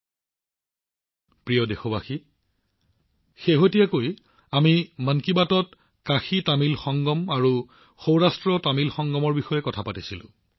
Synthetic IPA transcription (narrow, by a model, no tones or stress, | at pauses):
pɹijɔdexɔbaxi | xeɦotijakoj | amimənkibatɔt̚ | kaxitamilxɔŋɡɔmaɹu | xowɹastɹɔtamilxɔŋɡɔmɔɹbixɔjɛkɔtʰapatisilʊ̰̃